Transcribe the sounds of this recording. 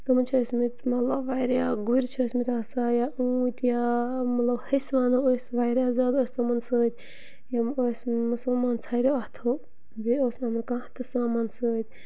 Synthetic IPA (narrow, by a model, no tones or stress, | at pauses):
k̪ɐmɐt͡ʃʰoːsmit̪mɐt̪lɐbʋaːjɾjaɡuɾʲt͡ʃʰoːsʲmit̪asaːjauːʈjamɐt̪lɐbhəsʋaːnoosʲʋaːjɾaːzaːd̪oːsʲt̪ɐmɐnsəːt̪ʲ | jaosʲmusɐlmaːnt͡sʰaːɾeɐht̪ʰo | bioːsʲnaːmɐnkaht̪ɨsaːmansəːt̪ʲ